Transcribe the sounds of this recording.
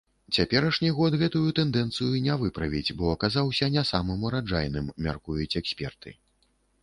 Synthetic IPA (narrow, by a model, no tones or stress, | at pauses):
t͡sʲapʲɛɾɐʂnʲiɣɔt̪ɣɛt̪ujut̪ɛnd̪ɛn̪t̪sɨjunʲɛvɨpɾɐvʲid͡zʲbɔɐkazawsʲɐnʲɛsamɨmuɾad͡ʐajnɨmːʲa̰rkujut͡sʲɛksʲpʲɛ̰rt̪ʰɨ̰